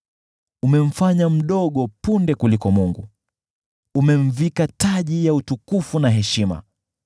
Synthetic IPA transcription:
umɛm̩faɲam̩ɗɔɠɔpundɛkulikɔmuŋɡṵ | umɛɱ̩vikataʄijautukufunaɦɛʃima̰

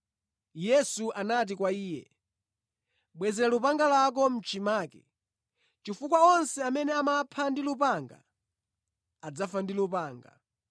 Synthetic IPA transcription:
jɛsuʔanat̬ikwaiːjɛ̰ | ɓwɛzɛɾalupaŋɡalak̬ɔm̩t͡ʃʰimaːkɛ̰ | t͡ʃifukwaɔnsɛamɛnɛamapʰandilupaŋɡa̰ | ad͡zafandilupaːŋɡa̰

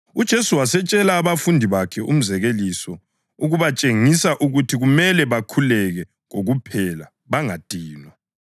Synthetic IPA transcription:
ud̥ʒ̥ʱesuwasɛt͡ʃʼɛlaːβafundʱiβakʰɛṵm̩zɛɣelisɔ | uɣuβat͡ʃʼeŋisaʔuɣutʰiɣumɛlɛβakʰulɛɣɛ | ɣoɣupʰɛla | βaŋad̥ʱiːnwa

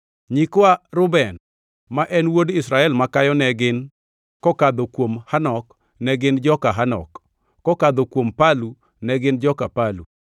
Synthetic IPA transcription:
ɲikwaɾʊbɛn | maʔɛnwodɪsɾaɛlmakajɔnɛɡɪn | kɔkad̪ɔkwomhanɔk | nɛɡɪnd͡ʒɔkaɦanɔ̰kː | ɔkad̪okwompalu | nɛɡɪnd͡ʒɔkapalṵ

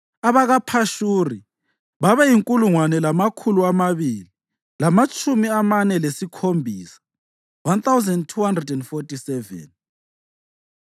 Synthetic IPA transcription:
aβaɣapʰaʃuri | βaβɛjiŋkʼuluŋwanɛlamakʰuluamaβili | lamat͡ʃʼumiamanɛlesikʰombʱiːsḁ | wanθawzɛndtʰuhandrɛdɛndfɔtʼisɛvɛ̰n

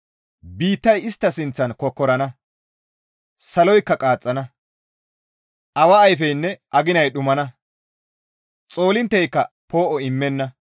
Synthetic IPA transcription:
biːt̪ːɐjɪst̪ːɐsɪnt͡sːɐnkɔkːɔɾɐnɐ | sɐlɔjkːɐkʼaːt͡sʼːɐnɐ | ʔɐwɐːjfɛjnːɛʔɐɡɪnɐjɗʊmɐnɐ | t͡sʼo̞ːlɪnt̪ːɛjkːɐ̰ | po̞ːʔɔɪmːɛnːɐ

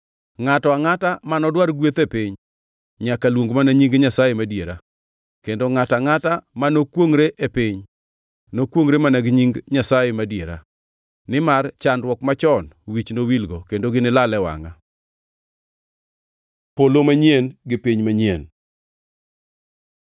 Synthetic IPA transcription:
ŋatɔaŋatamanɔdwaɾɡwet̪epɪɲ | ɲakalwoŋɡmanaɲiŋɡɲasajemadjeɾa | kendoŋataŋatamanokwoŋɾeʔepɪɲ | nokwoŋɾemanaɡɲiŋɡɲasajemadjeɾa̰ | nɪmart͡ʃandwɔkmat͡ʃɔnwit͡ʃnowilɡokendoɡɪnɪlalɛwa̰ŋa | polomaɲienɡɪpiɲmaɲen

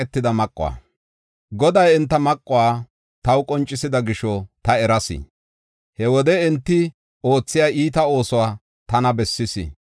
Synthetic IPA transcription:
ɛt̪ːɪd̪ɐmɐkʼːʊwa̰ː | ɡɔd̪ɐjɛnt̪ːɐmɐkʼːʊwaː | t̪ɐwʊkʼɔnt͡ʃʼːɪsɪd̪ɐɡɪʃɔt̪ɐɛɾɐsɪ̰ | hɛwɔd̪ɛɛnt̪ːɪ | o̞ːt͡sːɪjaːʔiːt̪ɐo̞ːsɔwaː | t̪ɐnɐbɛsːɪsɪ̰

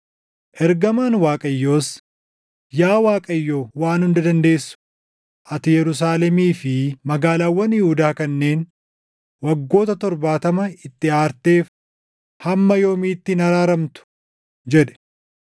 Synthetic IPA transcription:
ʔɛɾɡɐmaːnwaːkʼɐjːo̞ːs | jaːwaːkʼɐjːoːwaːnhʊnd̪ɐd̪ɐnd̪e̞ːsːʊ̥ | ʔɐt̪ɪjɛɾʊs̬aːlɛmiːfɪmɐɡaːlaːwːɐnjɪhʊd̪aːkɐnːe̞ːn | wɐɡːo̞ːt̪ɐt̪ɔɾbaːt̪ɐmɐɪt̪ːɪaːɾt̪e̞ːf | hɐmːɐjo̞ːmiːt̪ːɪnɐɾaːɾɐmt̪ʊ̥ | d͡ʒɛᶑ̪ɛ̥

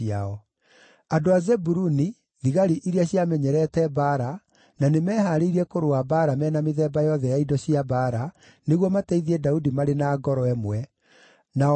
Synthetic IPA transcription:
iaɔ | adoazɛbuɾuni | ðiɣaɾiʔiɾiaɕiamɛɲɛɾɛtɛbaɾa | nanemɛːɦaɾeiɾiɛkoɾoabaɾamɛːnameðɛbajɔðɛjaidɔɕiabaɾa | neɣwɔmatɛiðiɛdaudimaɾenaːɡɔɾɔɛmwɛ | na

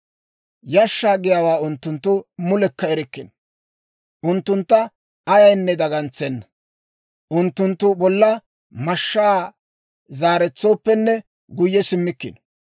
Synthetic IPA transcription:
jɐʃːaːɡɪjaːwaːʊnt̪ːʊnt̪ːʊmʊlɛkːɐɛɾɪkːɪn | ʔʊnt̪ːʊnt̪ːɐː | jɐjnːɛd̪ɐɡɐnt͡sːɛnːɐ | ʔʊnt̪ːʊnt̪ːʊbɔlːɐ | mɐʃːaː | zaːɾɛt͡sːo̞ːpːɛnːɛ | ɡʊjːɛsɪmːɪkːɪ̰n

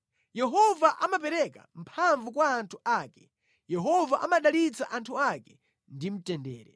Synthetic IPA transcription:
jɛɦɔvaʔamapɛɾɛka̰m̩pʰaɱvukwaːntʰuaːkɛ | jɛɦɔvaʔamaɗalit͡saʔantʰuakɛ̥ | ndim̩tɛndɛ̰ːɾɛ̰

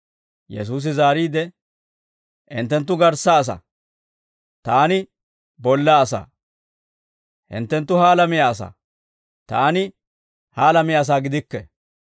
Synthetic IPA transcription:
jɛ̰s̬uːs̬ɪzaːɾiːd̪ɛ | ʔɪ̰nt̪ːɛnt̪̬ːʊɡɐɾsːaːs̬ɐ̰ | t̪aːnɪ | bɔlːaːsa̰ | hɪ̰nt̪ːɛnt̪ːʊhaːlɐmɪjaːsa̰ | t̪aːnɪ | haːlɐmɪjaːs̬aːɡɪd̪ɪkːɛ̰

